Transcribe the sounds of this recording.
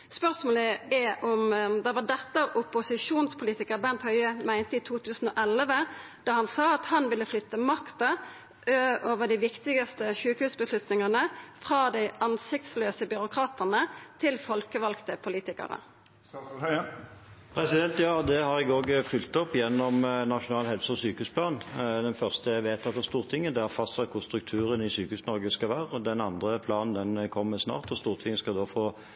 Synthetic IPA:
spœʁsmoːləɛʔɔmd̪ɛʋɑd̪ɛt̪ːəʔʊpʊsɪʂuːnspʰʊliːt̪ɪkəʁbɛnt̪hœʏəmæɪnt̪əiːt̪ʰuːt̪ʰʉːsən̩oːʔɛləʋə | d̪̥ɑːhɑnsɑːɑt̪hɑnʋɪlːəflʏt̪ːəmɑkt̪ə | ʔøoːʋəɖ̪æɪʋɪkt̪ɪɡɑst̪əʃʉːkhʉːsbəslʉt̪nɪŋɑnəfʁɑːd̪æɪʔɑnsɪk̚t̪sløːsəbʏʁʊkʰʁɑːt̪ənət̪ʰɪlfɔlkəʋɑlkt̪əpʰʊliːt̪ɪkɑ̰ʁə̰ | pʰʁɛsɪd̪ɛnt̪jɑːd̪ɛhɑʁɪɡoːɡfʏlt̪ɔpːjɛnːɔmnɑʂʊnɑːlɦɛlsəɔsyːkəʉːspʰlɑːnd̪ɛnfœʁst̪əæʋeːt̪ʰɑt̪ːɑst̪uːʁt̪ʰɪŋːəd̪ɛæfɑst̪sɛkʰʊʁst̪ʁʉk̚t̪ʰʉːʁənɪsyːkəhʉːsnɔʁɡəskɑʋæːʁəɔd̪ɛnɑnd̪ʁəpʰlɑːnnd̪ɛnkʰɔmːəsnɑ̰ːʁt̪ɔst̪uːʁt̪ʰɪŋːəskɑd̪oːfoː

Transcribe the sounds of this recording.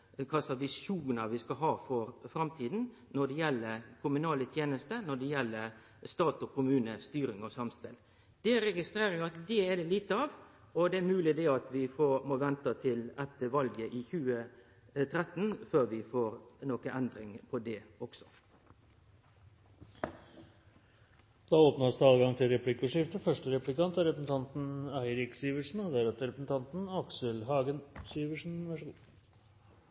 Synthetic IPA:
kʰɑsɑʋɪsuːnəʋɪskɑɦɑːfɔɾfɾɑmt̪ʰiːd̪n̩ | nɔɖɛjɛlːəɾkʰʊmʉnɑːlət̪ʰjeːnəst̪ənɔɖɛjɛlːəɾ | st̪ɑːt̪ɔkʰʊmʉːnəst̪yːɾɪŋɔsɑmspɪl | d̪̥ɛɾɛɡɪst̪ɾeːɾɪɑt̪d̪ɛæɖ̪ɛliːt̪əɑːʋ | ɔd̪ɛæɾmʉːlɪd̪ɛɑt̪ʋɪfomɔʋɛnt̪ɑt̪ʰɪlɛt̪ːəʋɑlɡəʔɪçʉːə | t̪ʰɾɛt̪ːn̩føːʁʋɪfoːɾnoːkəʔɛnd̪ɾɪŋpʰɔd̪ɛɔksɔ̥ | d̪̥ɑːoːpnɑsd̪ɛɑːlɡɑŋt̪ʰɪlɾɛpʰlɪkːʊʂɪft̪əfœʂʈəɾɛplɪkɑnt̪æɾɛpɾəsn̩t̪ʰɑnt̪n̩æɪɾɪksiːʋəʂn̩ɔd̪ɛæɾɑt̪əɾɛpɾəsn̩t̪ʰɑnt̪n̩ɑksəlɦɑːɡənsiːʋəʂn̩ʋæʂɡ

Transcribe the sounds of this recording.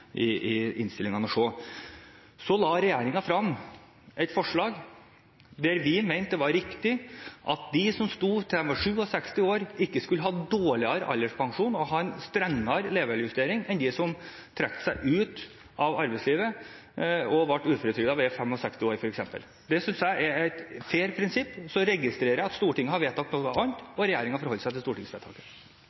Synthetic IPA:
ʔɪɪɪnst̪ɪlɪŋɑnəʂoː | sɔlɑːɾɛjeːɾɪŋɑfɾɑm | ʔɛt̪fɔʂɭɑːɡ | d̪ɛɾʋɪmæɪnt̪ːəʋɑɾɾɪkt̪ɪʔɑt̪̚d̪ɪsɔmst̪uːt̪ʰɛɛmʋɑʂʉːɔsɛkst̪ɪoːɾɪkːəskʉlːəɦɑːd̪oːɭɪɑɾɑ̰lːəʂpʰɑŋʂuːnɔɦɑːɛnst̪ɾɛŋːɑɾleːʋəɭjʉst̪eːɾɪŋɛnd̪ɪsɔmt̪ʰɾɛk̚t̪ə̥sæɪʔʉːt̪ | ʔɑʋɑɾbɛɪsliːʋə | ɔʋɑʈːʉːfɔɾət̪ʰɾʏɡd̪ɑʋɛfɛmɔsɛkst̪ɪoːɾfɔɾɛksɛmpə̰l | d̪ɛsʏnsjæɪʔɛɾæɪt̪feːɾpʰɾɪnsɪpːsɔɾɛɡɪst̪ɾeːɾəjæɑt̪st̪uːʈɪŋːəhɑɾʋeːt̪ːɑkt̪nɔʋɑɑnt̪ɔɾɛjæːɾɪŋɑfɔɾhɔlːəsæɪt̪ɪst̪uːʈɪŋsʋeːt̪ʰɑ̰ːkə̥

